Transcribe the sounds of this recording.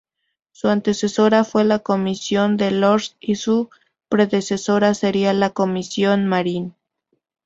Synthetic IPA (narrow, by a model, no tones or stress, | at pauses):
suant̪e̞se̞so̞ɾafwe̞lako̞misjo̞nd̪e̞loɾsisu | pɾe̞ðe̞se̞so̞ɾase̞ɾialako̞misjo̞nmaɾin